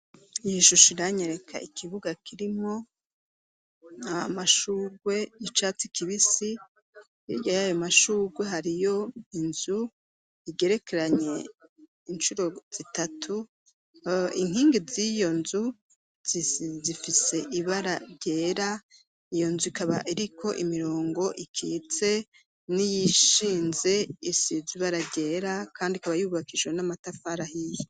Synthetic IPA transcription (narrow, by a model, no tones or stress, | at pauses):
jiʃuʃiɾaɲeɾe̞kʰa̰ikʰiβuɡakʰiɾimŋo̞ | aamaʃuːɡwe̞it͡ʃat͡sikʰiβisi | iɟajajomaʃuːɡwe̞ɦaɾijo̞inzu | iɡe̞ɾe̞kʰeɾaɲe̞ | int͡ʃuɾo̞z̥itatʰu | iŋ̥hiːŋɡizijo̞nzu | zifise̞ʔiβaɾaɾɟe̞ːɾa | ijo̞nzuikaβa̰ʔiɾikʰo̞ʔimiɾo̞ːŋɡo̞ʔikʰḭt͡se̞ | nijiʃiːnze̞isiziβaɾaɾɟe̞ːɾakʰaːndikaβajuːβakid͡ʒwenamatafaɾahiji